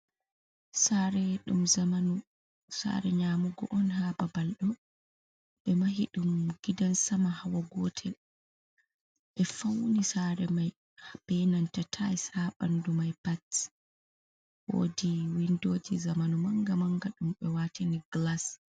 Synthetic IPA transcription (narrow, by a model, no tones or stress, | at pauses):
saɾɛɗumaau | sa̰ɾɛɲamuɡɔ̰ʔɔnhababalɗɔ | ɓɛmaɦiɗumɡ̥idansamahawaɡɔtʰɛl | ɓɛfawnisaɾɛmaj | hb̥ɛnantatʰaɛsaɓa̰ndumajpat | wo̰diwindoːd͡ʒizamanumaŋɡamaŋɡaɗumɓɛwatiniɡlas